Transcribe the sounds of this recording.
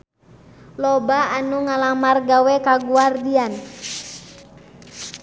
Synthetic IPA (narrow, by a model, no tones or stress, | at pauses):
lɔbaanuŋalamarɡawɛkaɡuardian